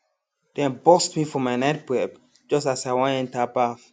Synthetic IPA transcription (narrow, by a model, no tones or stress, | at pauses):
d̥ɛ̃nbɔstmifɔmajnat̚b̥ɹɛb | d͡ʒʌstasaɪwɔ̃nɛ̃ntabaf